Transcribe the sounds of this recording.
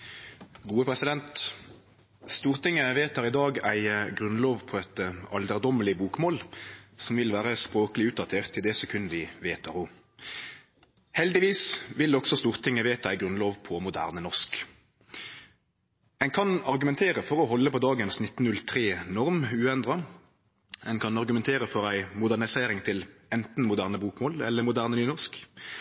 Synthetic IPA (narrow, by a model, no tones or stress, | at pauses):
ɡuːəpʰʁɛsɪd̪ɛnt̪ | st̪uːʁt̪ɪŋːəʋeːt̪ɑʁɪd̪ɑːɡæ̰ɪɡʁʉnloːʋpʰɔɛt̪əɑld̪əʁd̪ɔməlɪbuːkmoːlsɔmʋɪlʋæːʁəspʁoːkəlɪʉːt̪̚d̪ɑt̪ʰeːʁt̪ʰːɪld̪eːsɛkʰʉnd̪ɪʋeːt̪ʰɑʁʊ | hɛld̪ɪʋiːsʋɪlɔksɔst̪uːʁt̪ʰɪŋːəʋeːt̪əæɪɡʁʉnloːʋpʰɔmʊd̪æ̰ːʁnənɔʁʂk | ɛɪnkʰɑnɑʁɡʉmɛnt̪ʰeːʁəfɔʁɔhɔlːəpɔd̪ɑːɡənsnɪt̪ːn̩nʉlt̪ʰʁeːnɔʁmʉːɛnd̪ʁɑ | ɛɪnkʰɑnɑʁɡʉmɛnt̪ʰeːʁəfɔʁæɪmʊd̪æʁnɪseːʁɪŋt̪ʰɪlɛnt̪n̩mʊd̪æːʁnəbuːkmoːlɛlːəmʊd̪æːʁnənyːnɔsk